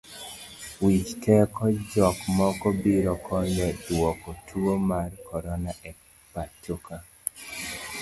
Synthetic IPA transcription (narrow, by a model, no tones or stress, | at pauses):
wit͡ʃtʰɛkɔd͡ʒɔkmɔkɔbiɾɔkʰɔɲɔwɔkɔtʰuomarkɔɾɔnaʔɛ | patoka